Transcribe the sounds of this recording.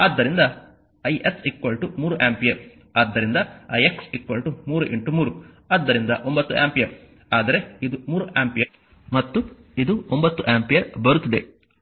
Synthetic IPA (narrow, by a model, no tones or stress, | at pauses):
aːd̪ːɐɾind̪ɐ | ɐjʔeksikʋɐlʈumuːɾuʔaːmpijɐɾ | aːd̪ːɐɾind̪ɐɐ̰jeksikʋɐlʈumuːɾuʔeɳʈumuːɾu | aːd̪ːɐɾind̪ɐʔombɐt̪ːuʔa̰ːmpijɐɾ | aːd̪ɐɾe̞id̪umuːɾuʔaːmpijɐɾ | mɐt̪ːu | id̪uombɐt̪ːuʔaːmpijɐɾbɐɾut̪ːid̪e̞